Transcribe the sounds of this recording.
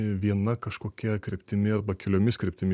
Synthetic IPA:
ʋʲiɛnɐkɐʃkoːkʲɛkɾʲɪpʲt̪ʲɪmʲɪɐrbɐkʲɪlʲoːmʲɪskɾʲɪpʲt̪ʲɪmʲɪ

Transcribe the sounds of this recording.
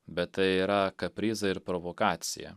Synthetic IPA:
bʲɛt̪t̪ɐɪiːɾɐkɐpʲɾʲiːzɐɪɾpɾoʋokɑːt̪sʲɪ̰jɛ̰

